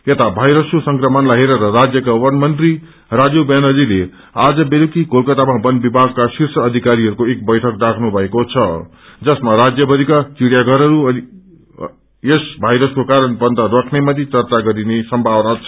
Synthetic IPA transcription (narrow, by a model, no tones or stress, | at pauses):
et̪abʱajɾʌskosʌŋkrʌmʌnlaɦeɾʌɾʌɾad͡zjʌkawʌnmʌnt̪ri | rad͡zobjanʌlile | ad͡zʌbelukikolkʌt̪amabʌnbibʱaɡkasirsʌːd̪ʱikaɾiɦʌɾukoek̚bʌjʈʰʌkdakʰnubʱʌekot͡sʰʌ | d͡zʌsmaɾad͡zjʌbʌd̪ʱikat͡siɽjaɡʌɾʌɾuʌni | esbʱajɾʌskokaɾʌnbʌnd̪ʱʌɾʌkʰnemʌt̪it͡sʌrt͡saɡʌɾinesʌmbʱawnat͡sʰʌ